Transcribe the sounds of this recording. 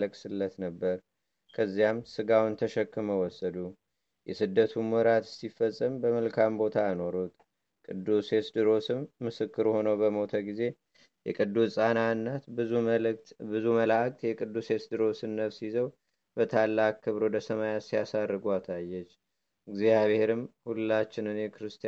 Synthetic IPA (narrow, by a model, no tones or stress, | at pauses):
ləkʼsɨlːət̪nəbːəɾ | kʰəzːijamsɨɡawʊnt̪ʰəʃɛkːɨməwɔsːəd̪u | jɛsɨd̪ːət̪ʰumwɔɾat̪ɨ̥sifəsʼːəmbəməlkʰambo̞t̪ʰaəno̞ɾut̪ | kʼɨd̪ːuse̞sd̪ɨɾo̞sɨmːɨsɨkːɨɾho̞nəwbəmo̞t̪ʰəɡize̞ | jɛkʼɨd̪ːusʼanaɨnːat̪ | bɨzuməlak̚ʼt̪jɛkʼɨd̪ːuse̞sd̪ɨɾo̞sɨnːəβsizəw | bət̪ʰalːakkʰːɨβɾo̞d̪əsəmajasijasarːɨɡuasajːɛt͡ʃː | ɨɡzijaβhe̞ɾɨmhullat͡ʃːɪnɨnjɛkɨɾɨst̪